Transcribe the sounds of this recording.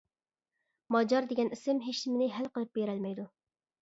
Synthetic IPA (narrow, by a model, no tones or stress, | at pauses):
mɑd͡ʒɑɾd̪eɡʲɛnisɪmɦeʃnɪmɪnɪɦælqəlˠɨp̚beɾɛlmɛjd̪u